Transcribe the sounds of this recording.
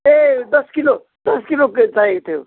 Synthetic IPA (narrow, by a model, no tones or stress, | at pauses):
ed̪ɐskilo | d̪ɐskiloket͡saet̪ʰeo̰